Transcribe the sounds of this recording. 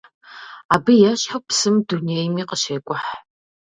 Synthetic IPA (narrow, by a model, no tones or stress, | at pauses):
aːbɨjaːɕħɐpsɨmduneːjmiːqəʃeːkʷʼʊħ